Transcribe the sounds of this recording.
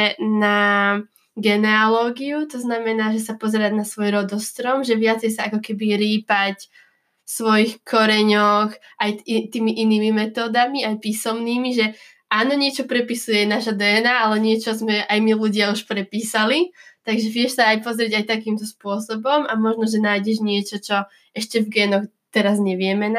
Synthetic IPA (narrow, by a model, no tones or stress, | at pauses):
na | ɡɛnɛalɔːɡiut̪ɔznamɛnaːʒɛsapɔzɛɾaɟnasʋɔjɾɔd̪ɔst̪ɾɔmʒɛʋɪat͡sɛjsaakɔkɛbiɾiːpac | fsʋɔjixkʰɔɾɛɲɔx | ajit̪iːmiʔiniːmimɛt̪ɔːd̪amiajpiːsɔmniːmiʒɛ | ʔaːnɔɲɪɛt͡ʃɔpɾɛpisujɛnaʃad̪ɛːnaalɛɲɪɛt͡ʃɔzmɛʔajmiluɟɪauʃpɾɛpiːsalit̪aɡʒɛʋɪɛʃsaːjpɔzɾiɟajt̪akiːmt̪ɔspʊɔsɔbɔmamɔʒnɔʒɛnaːjɟɛʒɲɪɛt͡ʃɔt͡ʃɔ | ɛʃcɛvɡɛːnɔx | t̪ɛɾazɲɛʋɪɛmɛna